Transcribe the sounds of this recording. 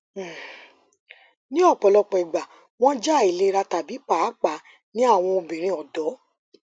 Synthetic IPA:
nĩ˦ɔ˦˨k͡pɔ˨lɔ˧k͡pɛ˨ɡ͡ba˨ | w̃ɔ̃˦d͡ʒa˦˨i˨le˨˦ɾa˧ta˨bi˨˦k͡pa˦˨˦k͡pa˨˦ | nĩ˦a˦˨w̃ɔ̃˧o˧bĩ˨ɾ̃ĩ˧ɔ˨dɔ˨˦

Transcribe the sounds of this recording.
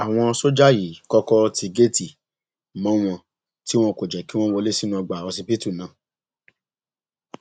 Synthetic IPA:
a˨w̃ɔ̃˧so˦d͡ʒa˦ji˨˦kɔ˦kɔ˦˧ti˧ɡe˦ti˨ | mã˦w̃ɔ̃˧ | ti˦w̃ɔ̃˦ko˨d͡ʒɛ˨ki˨˦w̃ɔ̃˦wɔ˧le˦si˦nũ˦ɔ˧ɡ͡ba˨ɔ˧si˧pi˦tu˦˨nã˨˦˨

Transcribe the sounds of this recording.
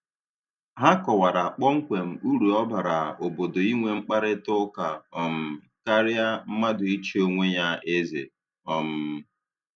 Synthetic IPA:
ɦa˦kɔ˨wa˨ɾa˨a˨k͡pɔ˦ŋ̩˦kʷe˨m̩˨u˦ɾu˨ɔ˦ba˨ɾa˨o˨bo˨do˨i˦ŋʷe˦ŋ͡m̩˦k͡pa˦ɾɪ˦tʊ˦ka˨ɔ˨m̩˨ | ka˦ɾɪ˦a˦m̩˦ma˦dʊ˨i˦t͡ʃi˦o˦ŋʷe˦ɲa˦ʔe˦zḛ˨ | ɔ˨m̩˨

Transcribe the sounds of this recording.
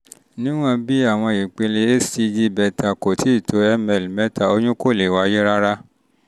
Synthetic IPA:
nĩ˦w̃ɔ̃˦bi˦a˦˨w̃ɔ̃˧i˨k͡pe˧le˧e˦si˧d͡ʒi˦bɛ˧ta˨ko˨tʰi˨˦i˦˨to˧˦ɛ˧mɛ˧˨lmɛ˨˦ta˨o˧jũ˦ko˦˨le˨wa˧˦je˦ɾa˦ɾa˦

